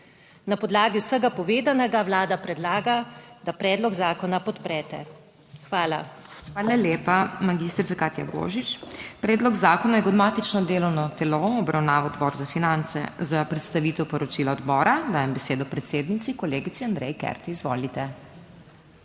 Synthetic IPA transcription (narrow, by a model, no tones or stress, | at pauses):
napɔd̪laːɡiwsəɡapɔʋeːd̪anɛɡawlaːd̪apɾɛd̪laːɡad̪̥apɾɛːd̪lɔɡzaːkɔnapɔt̪pɾɛːt̪ɛ̰ | xʋaːla̰ | xʋaːlaljeːpamaɡiːst̪ɾit̪akaːt̪ja̰bo̰ːʒit͡ʃpɾɛːd̪lɔɡzaːkɔnajɛɡɔd̪maːt̪it͡ʃnɔd̪eːlɔwnɔt̪ɛloɔbɾawnaːʋɔɔd̪bɔːɾzafinant̪sɛ̰zapɾɛt̪st̪aʋiːt̪ɛwpɔɾɔt͡ʃiːlaɔd̪bɔːɾad̪aːjɛmbɛseːd̪ɔpɾɛt̪seːd̪nit̪sikɔleːɡit̪siand̪ɾɛjkɛ̰ɾt̪iizʋo̰ːlit̪ɛ